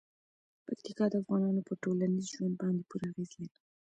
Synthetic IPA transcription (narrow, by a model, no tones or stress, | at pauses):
pakt̪ɪkɑd̪əafɣɑnɑnopəʈolanizʒwand̪̚bɑnd̪epuɾaɣezil